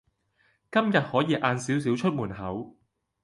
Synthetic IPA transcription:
kɐ˥mjɐ˨t̚hɔː˨˥jiː˨˧ʔaː˧nsiː˨˥ws̬iː˨˥wt͡ʃʰɵ˥t̚muː˨˩nɦɐ˨˥w

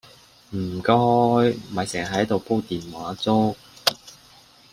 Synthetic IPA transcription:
m̩ː˨˩kɔː˥jmɐ˨jsɛː˨˩ŋɦɐ˨˥jt̪o˨wpo˥t̪iː˨nwaː˨˥t͡so˥w

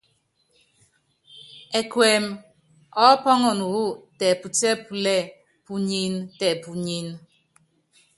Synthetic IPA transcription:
ɛ˨kwɛ˨m | ɔ˦pɔ˦ŋɔ˨n˨wu˦˨tɛ˨pu˨tɛ˦pu˨lɛ˦˨ | pu˨ɲi˨ntɛ˨pu˨ɲi˨n

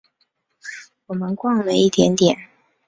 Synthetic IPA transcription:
wɔ˨˩mə˦nkwɑ˥˩ŋlə˨i˥˩t̪jɛ˧˥nt̪jɛ˨˩˦n

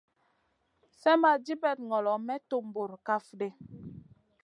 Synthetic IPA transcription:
sɛ˦ma˨d͡ʒi˦bɛ˨t̚ŋɔ˨lɔ˨mɛ˦to˦m˨bo˨ɾka˦fde˦

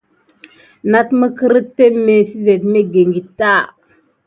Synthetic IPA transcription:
na˦tmə˦kə˦ɾə˦tːe˦me˨si˦ze˨tme˦ɡe˨ŋɡi˨tːa˦˨

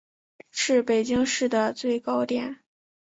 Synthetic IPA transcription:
ʂɻ̩˥˩pe˨˩ɪt͡ɕi˥ŋʂɻ̩˥˩d̪ə˩t͡swe˥˩ɪkɑ˥ʊt̪jɛ˨˩˦n

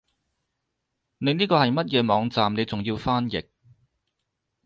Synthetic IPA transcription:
ne˨˧˥niː˥kɔː˧hɐ˨jmɐ˥t̚jɛː˨˧mɔː˨˧ŋt͡saː˨mne˨˧jt͡sʊ˨ŋjiː˧wfaː˥njɪ̰˨k̚

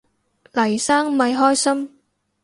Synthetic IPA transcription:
lɐ˨˩jsaː˥ŋmɐ˧jɦɔː˥jsɐ˥m

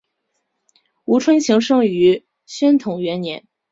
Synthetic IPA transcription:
u˧˥ʈ͡ʂʰwə˥nɕi˧˥ŋʂɤ˥ŋy˧˥ | ɕɥɛ˥nt̪ʰʊ˨˩˦ŋɥɛ˧˥nnjɛ˧˥n

